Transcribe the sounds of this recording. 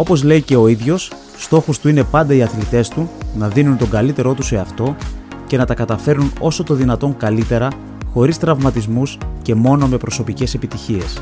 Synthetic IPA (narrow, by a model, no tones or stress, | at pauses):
o̞po̞zle̞ice̞o̞iðʝo̞sː | t̪o̞xost̪uine̞pɐnd̪ɐiɐθlit̪e̞st̪unɐðinunt̪o̞ɡɐlit̪e̞ɾo̞t̪use̞ɐft̪o̞ce̞nɐt̪ɐkɐt̪ɐfe̞ɾnuno̞so̞t̪o̞ðinɐt̪o̞ŋkɐlit̪e̞ɾɐ | xo̞ɾist̪ɾɐvmɐt̪izmusce̞mo̞no̞me̞pɾo̞so̞pice̞se̞pit̪içie̞̰s